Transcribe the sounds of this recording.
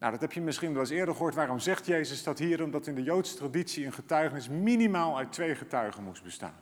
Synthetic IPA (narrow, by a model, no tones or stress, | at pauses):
na̰wdɑtɦɛpʰjəmɪsχinʋɛlɪsɪːɹdəɹχəɦʊːɹtʋaːɾɔmzɛχtjejzəsdɑtɦiːɾɔmdɑtɪndəjowtsə̥traditsiənχətœɥχənɪsminimaːlˠœɥtʋejχətœɥχənmus̚bəsta̰ːnn